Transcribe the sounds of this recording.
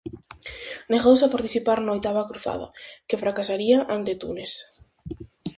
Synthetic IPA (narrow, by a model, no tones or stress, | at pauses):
neɣowsapaɾt̪iθipaɾnojt̪aβakɾuθa̰ðɐ̰kefɾakasaɾiaʔant̪et̪ṵnes